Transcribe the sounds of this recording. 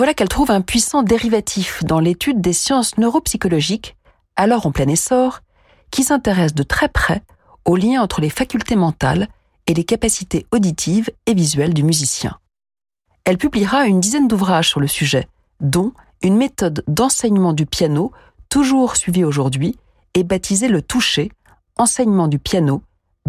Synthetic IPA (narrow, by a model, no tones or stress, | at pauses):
vwalakɛlt̪χuvɛ̃pɥisɑ̃d̪eʁivat̪ʰifd̪ɑ̃let̪yd̪ːesjɑ̃snøʁopsikɔlɔʒik | alɔʁɑ̃plɛnesɔʁ | kʲisɛ̃t̪eʁɛs̬d̪ət̪χɛpχɛ | oljɛ̃ɑ̃t̪χəlefakʲylt̪emɑ̃t̪a̰l | elekapasit̪eod̪it̪ʰivevizɥɛld̪ymyzisjɛ̰̃ | ɛlpybliʁaynd̪izɛnd̪uvʁaʒsyʁləsyʒɛ | d̪ɔ̃ | ynmet̪ɔd̪ːɑ̃sɛɲmɑ̃d̪ypjano | t̪uʒuʁsɥivioʒuʁd̪ɥi | ɛbat̪ʰizelət̪uʃe | ɑ̃sɛɲmɑ̃d̪ypjano